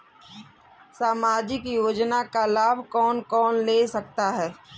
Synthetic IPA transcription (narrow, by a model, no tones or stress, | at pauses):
saːmaːd͡ʒɪkjoːd͡ʒnakalaːbʱkɔːnkɔːnleːsɐk̚t̪aɦɛː